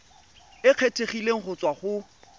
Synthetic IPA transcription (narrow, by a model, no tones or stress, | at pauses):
ɪq͡χʰetʰeχileŋ̩χʊt͡sʼwaχʊ